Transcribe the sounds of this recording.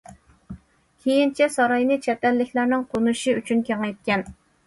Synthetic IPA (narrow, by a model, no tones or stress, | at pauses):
kʲʰejint͡ʃʰɛsɑɾɑjnɨt͡ʃʰɛt̪ɛlːɪkʲlæɾnɪŋqʰonuʃiyt͡ʃʰynkʲʰeŋɛjt̪̚kʲɛn